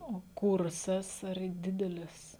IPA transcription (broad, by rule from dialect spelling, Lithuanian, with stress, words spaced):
oː ˈkʊrsɐs ɐr ˈdʲɪdʲɛlʲɪs